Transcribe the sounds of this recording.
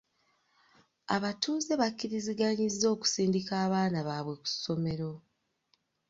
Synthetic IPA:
a̰βatuːze̞βakːiɾiziɡaɲizːo̞ːku̥siːndikaːβaːnaβaːβwe̞ku̥so̞me̞ɾo̞

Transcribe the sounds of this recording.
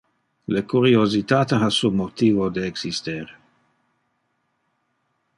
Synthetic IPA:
lekuɾiozit̪aːt̪eɦasumot̪iːvod̪eeksist̪eɾ

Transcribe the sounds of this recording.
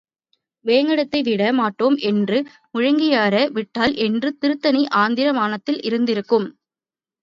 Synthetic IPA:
ʋeːŋɡɐɽɐt̪ːɐɪʋɪɽɐmaːʈːoːmɛndrɯ | mʊɻɐŋɡɪjaːɾɐʋɪʈːaːlʔɛndrɯt̪ɪɾɯt̪ːɐniʔaːnd̪ɪɾɐmaːnɐt̪ːɪlʔɪɾɯnd̪ɪɾɯkːɯm

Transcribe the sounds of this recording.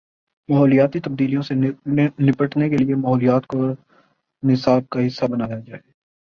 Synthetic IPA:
mɐɦɔːlijaːt̪it̪ɐb̚d̪iːlijõsenɪpəʈnekeliemɐɦɔːlijaːt̪koːɾ | nɪsaːb̚kaɦɪsːabɐnaːjad͡ʒaːeː

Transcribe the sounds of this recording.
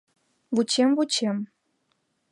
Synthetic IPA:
vut͡ɕemvut͡ɕem

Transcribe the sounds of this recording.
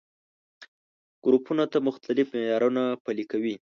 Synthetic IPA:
ɡ̥ɾupunat̪amʊxt̪alɪfmejɑɾunapalikawi

